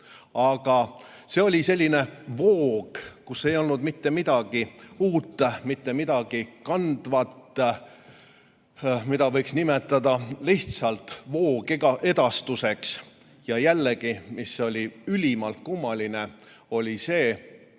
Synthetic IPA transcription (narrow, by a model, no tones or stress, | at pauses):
ɑɡ̥ɑ | se̞o̞lʲise̞lʲːine̞vo̞ːɡ̥kusːe̞jo̞lnud̪̥mit̪ːe̞mid̪̥ɑɡ̥iuːt̪ːmit̪ːe̞mid̪ɑɡ̥ikɑnd̪̥vɑt̪ː | mid̪ɑvɤjksnimet̪ːˑɑd̪ɑliht̪sɑlt̪ˑvo̞ːɡ̥ɑʔed̪ɑst̪use̞ks | jɑjælːeɡ̥imiso̞lʲiylʲimɑlt̪̚kumːɑline̞ | o̞lʲise̞ː